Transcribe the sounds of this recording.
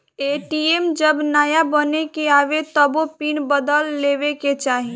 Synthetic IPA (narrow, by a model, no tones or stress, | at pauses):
eʈiemd͡ʒəbnaːjabənekeaːʋet̪əbopinbəd̪əlːebeket͡ʃaːɦi